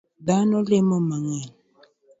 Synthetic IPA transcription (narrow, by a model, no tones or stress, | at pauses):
danɔlemɔmaŋen